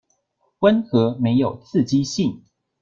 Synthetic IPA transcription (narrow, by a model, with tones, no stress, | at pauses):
wə˦nxɤ˨˦me˨˦ɪjo˨˩ʊt͡s̩ʰ˥˨t͡ɕi˦ɕi˥˨ŋ